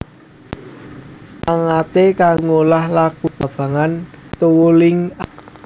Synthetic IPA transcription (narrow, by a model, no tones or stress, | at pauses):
ʔaŋat̪ekaŋolahlakub̥a̤b̥a̤ŋant̪uwolɪŋa